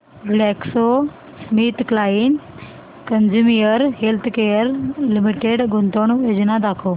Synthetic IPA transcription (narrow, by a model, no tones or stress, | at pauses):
blɛkso | smiːt̪klaiːn | kənd͡ʑumijəɾɦelt̪ʰkejəɾlimiʈeɽɡʱunt̪oɳ̃jed͡ʑnad̪akʰo